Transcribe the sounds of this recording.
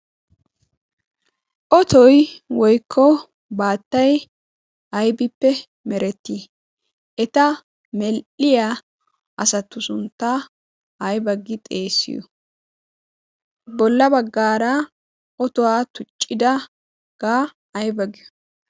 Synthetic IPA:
ʔɔt̪ɔjwɔjkʰːɔ | baːt̪ːɐj | ɐjbɪpːɛ | mɛɾɛt̪ːi | ʔɛt̪ɐ | mɛlʔɪja | ʔɐsɐt̪ːʊsʊnt̪ːa | ɐjbɐɡɪt̪ʼe̞ːsːɪ̰jɔ̰ | bɔlːɐbɐɡːaːɾɐ | ɔt̪ɔwaːt̪ʊt͡ʃʼːɪd̪ɐ | ɡ̥aː | ɐjbɐɡɪjɔ̥

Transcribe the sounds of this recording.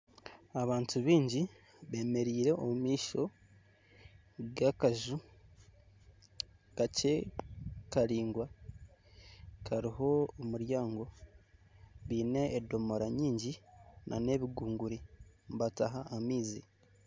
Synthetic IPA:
aβaːntuβiːɲɟi | βe̞ːme̞ɾiːɾe̞ʔomumiːʃo̞ | ɡakaʒu | kace̞ | kaɾiːŋɡwa | kʰaɾiho̞ːmuɾjaːŋɡo̞ | βiːne̞ːdo̞moɾaɲiːɲɟinʔa̰ne̞βiɡuːŋɡuɾiβataɦaːmiːzi

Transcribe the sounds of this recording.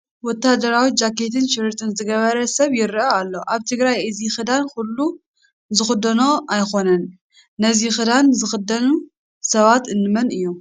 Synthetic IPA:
wɔt̪ːad̪ɐɾawid͡ʒakʰːe̞t̪ʰɨnʃɪɾɨɾt̪ʰɨnzɨɡɐβɐɾɐsɐβjɪɾʔɐalːo̞ʔaβt̪ʰɨɡɾajɨzixɨd̪ankulːu | zɨxɨd̪ːɐno̞ʔajxo̞nɐnː | ɐzixɨd̪anzɨxɨd̪ːɐnu | sɐβat̪ɨnːɨmɐnɨjːom

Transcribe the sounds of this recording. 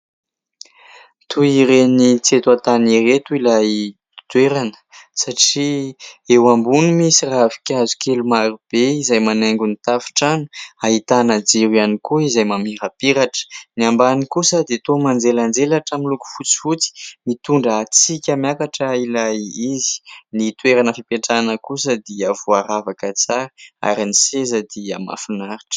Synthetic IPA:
t̪ʰuiɾenit͡set̪uat̪aniret̪uilaj | d̪weɾanə̥saʈ͡ʂiewambunimisiravi̥kʲazu̥kelumaɾub̥eizajmaneŋɡunit̪afi̥ʈ͡ʂanuaɦit̪anad͡ziɾianikuizajmamiɾapiɾaʈ͡ʂə̥niambanikusad̪et̪omand͡zeland͡zelaʈ͡ʂamiluku̥fut͡si̥fut͡si̥mit̪uɳɖ͡ʐəat͡sikʲamjakaʈ͡ʂəilajizi̥nit̪weɾanəfipeʈ͡ʂanəkusəd̪eavoaɾavakət͡saɾəa̰ɾinisezəd̪ea̰ma̰funaɾiʈ͡ʂə̥

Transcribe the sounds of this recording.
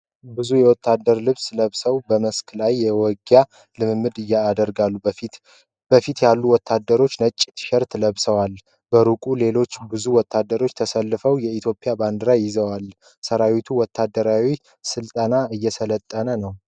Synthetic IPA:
bɨzujɛwɔt̪ʰːad̪ːəɾlɨβsləβsəwbəməsklajːɛwɔɡja | lɨmɨmːɨd̪ɨjːaːd̪əɾɡalːu | b̥əfit̪jalːuwɔt̪ʰːad̪ːəɾo̞t͡ʃːnət͡ʃʼːit̪ʰʃɛɾt̪ləβsəwal | b̥əɾukʼule̞lo̞t͡ʃːbɨzuwɔt̪ʰːad̪ːəɾo̞t͡ʃːt̪ʰəsəlːɨfəwjɛit̪ʰjo̞pʼːɪjaband̪əɾajɪzəwal | səɾawit̪ʰuwɔt̪ʰːad̪ːəɾawi | sɨlt̪ʼənaɨjːɛsələt̪ʼːənənəw

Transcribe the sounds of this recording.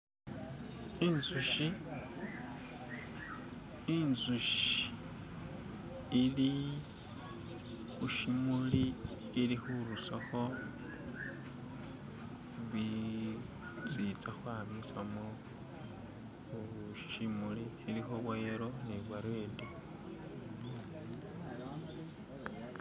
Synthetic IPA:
inzuʃi | nzuʃi | ili | xuʃimuliː | lixuɾusaxo̞ | βi | t͡sit͡saxwaːmisamo | ʃi̥ʃimuli | ilixoβwajeɾoneβwaɾedi

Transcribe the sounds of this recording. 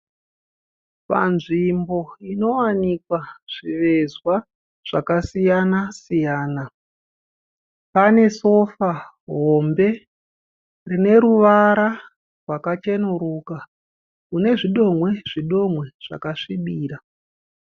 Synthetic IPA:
pa̰nʐimbo̞ino̞wanikwaʐ̥iʋe̞zwa | ʐ̥akasijanasijaːna | pane̞so̞fa | ɦo̞mbe̞ | rine̞ɾuʋaɾa | rwakat͡ʃe̞nuɾuːka | kune̞ʐiɗo̞mwe̞ʐiɗo̞mwe̞ʐ̥a̰kaʂiɓiːɾa

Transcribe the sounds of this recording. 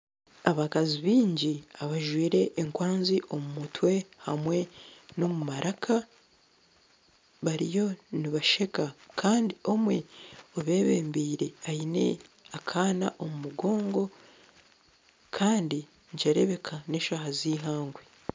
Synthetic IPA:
aβakaziβiːɲɟiaβaʒwiːɾe̞ʔːŋkwaːnziʔo̞mumutwe̞hamwe̞no̞mumaɾʔakʰa | βaɾijo̞niβaʃe̞kakʰaːndio̞mwe̞oβe̞ːβe̞ːmbiːɾe̞aine̞̰ | akʰaːnaʔo̞mumuɡo̞ːŋɡo̞ | kʰaːndi | ɲt͡ʃeɾe̞βe̞kʰane̞ːʃahaziːɦaːŋɡwe

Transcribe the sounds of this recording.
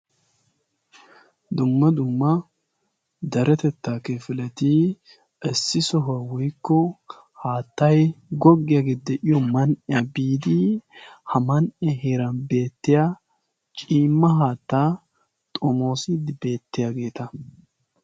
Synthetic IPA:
d̪ʊmːɐd̪ʊmːɐ | d̪ɐɾɛt̪ɛt̪ːaːkɛfɪlɛt̪i | ʔɛsːɪsɔɦɐwʊjkːɔ | haːt̪ːɐjɡɔɡːɪjaɡet̪̚d̪ɛʔɪjɔmɐnʔɪjɐbiːd̪ɪhɐmɐnʔɛɦeːɾɐnbe̞ːt̪ːɪja | t͡ʃʼiːmːɐɦaːt̪ːaː | t̪ʼɔmo̞ːsɪd̪ɪbe̞ːt̪ːɪjaɡe̞ːt̪ɐ

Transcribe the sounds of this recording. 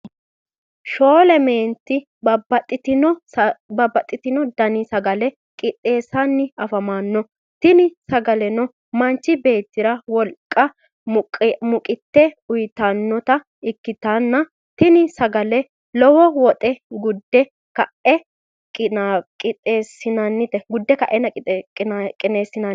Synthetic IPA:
ʃo̞ːlɛme̞ːnt̪ːɪ | bɐbɐt̪ʼːɪt̪ɪnɔbɐbːɐt̪ʼːɪt̪ɪnɔd̪ɐnɪsɐɡɐlɛ | kʼɪt̪ʼːe̞ːsɐnːɪɐfɐmaːnːɔ | t̪ɪnɪsɐɡɐlɛnɔ | mɐnt͡ʃːɪbe̞ːt̪ːɪɾɐwɔlkʼːɐ | mʊmʊkʼɪt̪ːɛʊjt̪ɐnːɔt̪ɐ | ɪkːɪt̪ɐnːɐ | t̪ɪnɪsɐɡɐlɛ | lɔwɔwɔt̪ʼɛɡʊd̪ːɛ | kɐʔɛ | kʼɪkʼɪt̪ʼeːsɪnɐnːɪt̪ɛɡʊd̪ːɛkɐʔɛnɐkʼɪt̪ʼkʼkʼːɪneːsːɪnɐn

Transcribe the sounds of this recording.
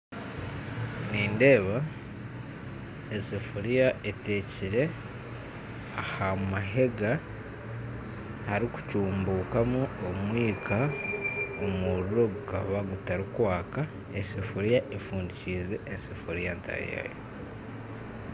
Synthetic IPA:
niːnde̞ːβa | ensefuɾijaete̞ːciɾe̞ | ahamumaɦe̞ɡa | haɾiku̥cuːmbuːkamuomwiːkʰa | omuɾuɾo̞ɡuka̰βaɡutaɾikwaːka | esefuɾijaʔefuːndiciːze̞ʔensefuɾijanta̰ja̰jo̰

